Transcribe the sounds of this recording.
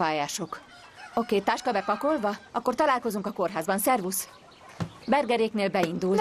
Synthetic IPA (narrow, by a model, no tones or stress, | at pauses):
aːjaːʃo̞k | okeːt̪aːʃkɒbɛkɒko̞lvɒɒkːort̪ɒlaːlko̞zuŋkɒko̞rɦaːzbɒnsɛrvus | bɛrɡɛɾeːkneːlbɛind̪ul